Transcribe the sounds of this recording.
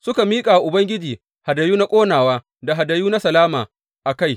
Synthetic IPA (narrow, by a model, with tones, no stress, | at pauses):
sʊ˦ka˨miː˦kʼa˨wa˨ʔʊ˨bɐ˦ŋɡʲɪ˦d͡ʒiː˨ | ha˨da˨juː˦na˦kʷʼoː˦naː˨waː˦ | da˨ɦa˨da˨juː˦na˦sɐ˨laː˦maː˨ | ʔa˨ka˦˨j